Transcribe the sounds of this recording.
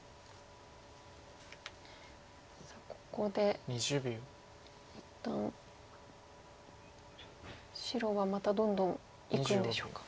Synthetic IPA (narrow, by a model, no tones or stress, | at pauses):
sako̥ko̞d̪e̞ɲiʑɯbʲo | it̪ːãɰ | ɕiɾo̞βamat̪ad̪õ̞nd̪õ̞ŋ | ikɯ̃nd̪eɕokḁ